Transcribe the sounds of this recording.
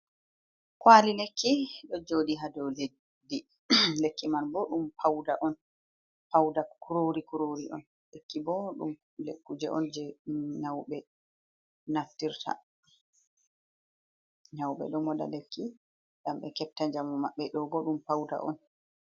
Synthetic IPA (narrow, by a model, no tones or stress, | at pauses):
kwalilekʰːiɗɔd͡ʒodiɦadɔle | dːi | lekːimanbɔɗumpʰawdaʔɔn | pawdakuɾoɾikuɾoɾiʔɔ̰n | lekːibɔɗṵm | lekːud͡ʒɛʔɔ̰nd͡ʒɛnawɓɛ | naftːiɾtʰa̰ | nawɓɛ̰ɗɔmɔda̰lekʰːi | ɗamɓɛkɛp̚taɲd͡ʒamɔmaɓːɛɗɔɡɔɗumpawda̰ʔɔ̰n